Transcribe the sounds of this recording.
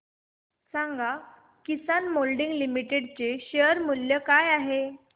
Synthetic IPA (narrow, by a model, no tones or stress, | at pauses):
saŋɡa | kisanmolɖiŋɡlimiʈeɽt͡seɕeəɾmuljəkajaɦe